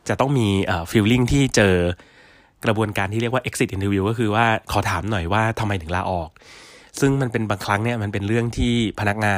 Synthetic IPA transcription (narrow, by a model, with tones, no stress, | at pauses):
t͡ɕa˨˩t̪ɔ˥˩ŋmiː˧ʔəː˨˩fiː˧wli˥˩ŋt̪ʰiː˥˩t͡ɕɤː˧ | kɾa˧bu˧ənkaː˧nt̪ʰiː˥˩ɾi˥˩əkwaː˥˧ʔe˦˥ksi˨˩t̪̚ʔi˧nt̪ʰiː˧wiː˧kɔː˥˩kʰɯː˧waː˥˩kʰɔː˩˦t̪ʰaː˩˦mnɔ˨˩jwaː˥˩t̪ʰa˧mːa˧jt̪ʰɯ˩˦laː˧ʔɔː˨˩k̚sɯ˥˩ŋma˧npe˧nbaː˧ŋkʰɾa˦˥ŋni˥˩ɐma˧npe˧nɾɯ˥˩əŋt̪ʰiː˥˩pʰa˧na˦˥k̚ŋaː˧